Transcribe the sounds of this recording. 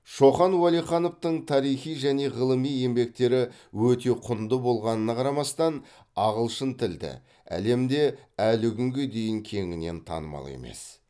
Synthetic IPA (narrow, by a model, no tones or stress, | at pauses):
ʃo̞χɑnwɑlˠijχɑno̞ft̪əɴt̪ʰɑɾijχijʒæne̞ʁəlˠəmije̞mbe̞k̚t̪e̞ɾɪ | wɵt̪e̞qʰʊnd̪əbo̞lˠʁɑnənɑqʰɑɾɑmɑst̪ɑn | ɑʁəlˠʃənt̪ʰɪld̪ɪ̰ | æ̰le̞md̪e̞ælɪkʲʰʏŋɡʲe̞d̪e̞jɪŋkʲʰe̞ŋɪne̞̰nt̪ʰɑ̰nəmɑ̰lˠḛme̞̰s